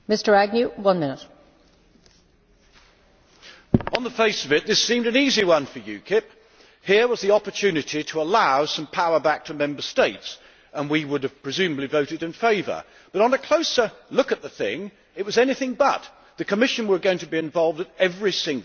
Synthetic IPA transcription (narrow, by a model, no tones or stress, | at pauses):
mɪstə˞æɡ̚njʉwʌ̃nmɪ̃nɪt̚ | ə̃nðəfeɪsʌvɨt̪̚ðɪsĩmdɨ̃niziwʌ̃nfə˞jɨ̰kʰɪp̚ | hɪɹwʌzðiɑpə˞tʰʉnɨɾiɾʰəəlaʊsʌ̃mpʰaʊə˞bæk̚tʰɨmɛ̃mbə˞steɪts | ə̃nwiwʊɾɨv̥pʰɹ̥ɨzʉməblivoʊɾɨɾɨ̃nfeɪvə̰˞ | b̥ʌɾn̩ɨkʰl̥oʊsə˞lʊkɨt̪̚ðəθɪ̰̃ŋ | ɨt̚wʌzɛniθɪ̃ŋbʌ̰t̪̚ | ðɨkʰəmɪʃɨ̃nwə˞ɡoʊɪ̃ŋtʰəbiɨ̃ɱvɑlˠvdəɾɛvɹisɪ̃ŋɡlˠ